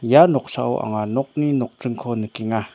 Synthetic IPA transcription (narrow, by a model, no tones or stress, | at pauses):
janoχʂa̰wo̰ʔa̰ŋanoχninoχ̚ʈ͡ʂəŋkʰonəkiŋa